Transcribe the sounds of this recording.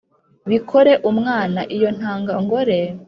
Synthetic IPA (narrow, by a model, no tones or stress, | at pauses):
βikʰo̞ɾe̞ʔumŋaːnaʔijo̞n̥haːŋɡaŋɡo̞ɾe̞